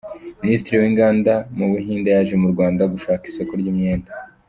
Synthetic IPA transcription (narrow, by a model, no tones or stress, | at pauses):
ministiɾiwiːŋɡaːndamuβuɦiːndajaʒemuɾɡwaːndaɡuʃaːkiso̞koɾɟiːmɲe̞ːnda